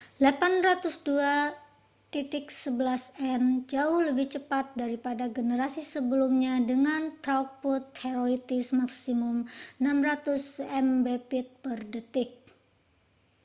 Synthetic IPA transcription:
lapanrat̪ʊsdua | t̪it̪ɪk̚səbəlasɛnd͡ʒaʊhləbɪht͡ʃəpat̪̚daɾipadaɡənəɾasisəbəlumɲadəŋant̪ɾak̚pʊt̪heɾolit̪ɪsmaksimʊmnamrat̪ʊsɛmbepɪt̪̚pərdət̪ɪk̚

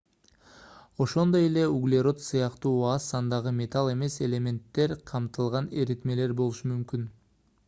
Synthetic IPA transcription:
o̞ʃo̞nd̪o̞je̞le̞uɡlʲeɾo̞t̪sɯjɑqt̪uːɑsɑnd̪ɑʁɯmʲe̞t̪alˠe̞me̞se̞lʲe̞mʲe̞nt̪ːe̞ɾqʰɑmt̪ɯlˠʁɑneɾit̪me̞le̞ɾbo̞lˠuʃumymkyn

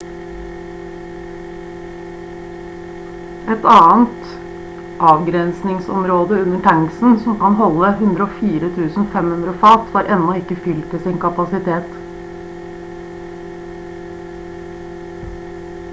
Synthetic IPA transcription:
ɛt̪ɑːnt̪ | ʔɑːʋɡɾɛnsnɪŋsɔmɾoːd̪əʉnəʈʰæŋsn̩sɔmkɑnɦɔlːəhʉnd̪ɾəoːfiːɾət̪ʰʉːsn̩fɛmhʉnd̪ɾəfɑːt̪ʋɑːɾʔɛnːɔɪkːəfʏlt̪ɪsɪnkɑpɑsɪt̪ʰeːt̪

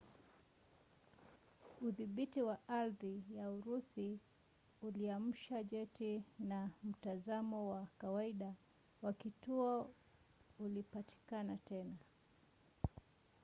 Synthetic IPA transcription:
uðiɓitiwaʔaɾðijauɾusi | uliam̩ʃaʄɛtinam̩tazamɔwakawaiɗa | wakituɔ | ulipati̥kanatɛna

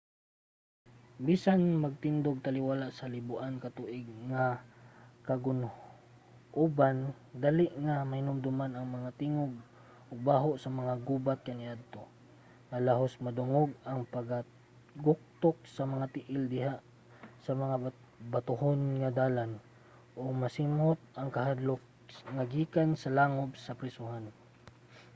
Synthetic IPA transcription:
biːsanmɐɡ̚t̪ɪnd̪oɡ̚t̪ɐlɪwalaʔsɐlɪbʊʔankɐt̪uːʔɪɡ̚ŋa | kɐɡʊn | ʔuban | d̪alɪʔŋamɐhɪnʊmd̪ʊmanɐŋmɐŋat̪iŋoɡ̚ | ʔʊɡ̚baːɦoʔsɐmɐŋaɡuːbat̪̚kɐnɪʔad̪̚t̪o | ŋalaɦosmɐd̪ʊŋoɡɐŋpɐɡa | ɡʊk̚t̪ok̚sɐmɐŋat̪ɪʔɪld̪ɪɦaʔ | sɐmɐŋa | bat̪ʊhonŋad̪aːlan | ʔoɡmɐsimhot̪̚ʔɐŋkahad̪lok̚ŋaɡiːkansɐlaŋobsɐpɾɪsʊhan

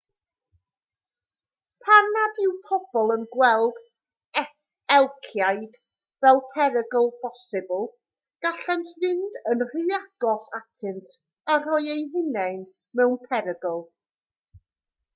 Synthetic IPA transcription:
pʰanadɪwpʰɔb̥ɔlˠənɡwɛlˠd̥ | ɛ | ɛlˠkʰjajd̥ | vɛlˠpʰɛɾəɡɔlˠb̥ɔsɪbəlˠ | ɡ̥aɬantʰvɪndənr̥ɨaɡ̥ɔsatʰɪntʰ | ar̥ɔɨjejɦɪnɛɨn | mɛwnpʰɛɾəɡɔlˠ

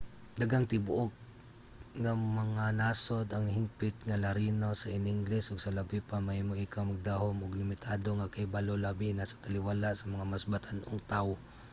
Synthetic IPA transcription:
d̪ɐɡaŋt̪ɪbʊʔok̚ | ŋɐmɐŋanaːso̞d̪ɐŋhɪŋpɪt̪̚ŋɐlɐɾinosɐʔɪnɪŋɡlɛsʔoɡsɐlɐbɪpamɐhimoʔɪkawmɐɡ̚d̪ahomoɡlɪmɪt̪ʰaːd̪o̞ŋakɐjbalolabinasɐ̥t̪ɐlɪwalaʔsɐmɐŋamɐsbat̪ɐnʔoŋt̪aw

